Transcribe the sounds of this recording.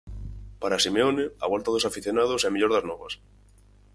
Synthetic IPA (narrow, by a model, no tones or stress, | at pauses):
paɾasimeonɪɐ̰βɔlt̪ɐðosafiθjonað̞osɛmiʎoɾðɐznɔβɐs